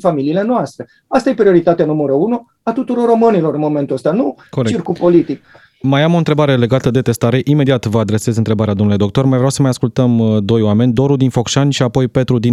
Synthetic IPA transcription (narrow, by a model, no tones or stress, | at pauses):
familiːle̞noast̪ɾe | ast̪aje̞pɾio̞ɾit̪at̪eanuməɾəunu | at̪ut̪uɾo̞ro̞mɨnilo̞ɾɨnmo̞me̞nt̪uəst̪anukoɾeirkupo̞lit̪ik̚ | majamo̞nt̪ɾe̞baɾe̞le̞ɡat̪əd̪e̞t̪e̞st̪aɾe̞ʔime̞d̪iat̪vəad̪ɾe̞se̞zɨnt̪ɾe̞baɾead̪omnuled̪o̞k̚t̪o̞rmajvɾeawsəmajaskult̪əmd̪o̞jwame̞nʲd̪o̞ɾud̪info̞kʃanʲʃiapo̞jpe̞t̪ɾud̪in